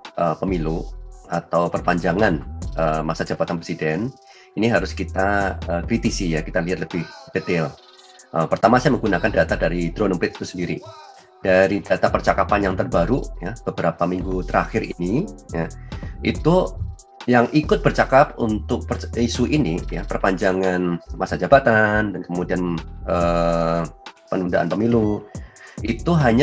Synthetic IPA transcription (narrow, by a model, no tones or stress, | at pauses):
ʔəːpəmiluat̪awpərpaɲd͡ʒaŋanʔəmasad͡ʒabat̪anpɾesidɛn | iniɦaɾʊskit̪aəːkɾit̪isijakit̪aliɦat̪ləbɪhb̥et̪ɪl | ʔəpərt̪amasajməŋɡunakandat̪adaɾit̪ɾonɔmpɾɪt̪̚i̥t̪usəndiɾi | d̥aɾidat̪apərt͡ʃakapanjaŋt̪ərbaɾujab̥əbəɾapamiŋɡut̪əɾa̰xɪɾḭnijaḭt̪u | jaŋʔikʊt̪̚bərt͡ʃakapunt̪ʊk̚pərisuʔinija̰pərpaɲd͡ʒaŋanmasad͡ʒabat̪andankəmudianʔə | pənundaʔa̰npəmilu | ʔit̪uɦaɲa